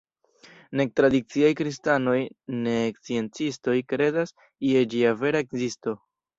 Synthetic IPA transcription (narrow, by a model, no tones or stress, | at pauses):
ne̞k̚tɾadit͡siajkɾistano̞jne̞ːkt͡sie̞nt͡sisto̞jkɾe̞das | ie̞d͡ʒiave̞ɾaekzisto̞